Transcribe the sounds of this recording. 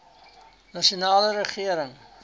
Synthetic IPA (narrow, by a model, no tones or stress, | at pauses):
nɑʃionɑːləɾəχiəɾəŋ